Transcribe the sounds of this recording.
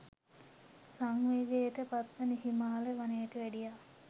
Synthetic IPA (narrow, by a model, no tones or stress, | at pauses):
saŋʋeːɡejeʈəpat̪ʋəniɦimaːleʋanejʈəʋæɖija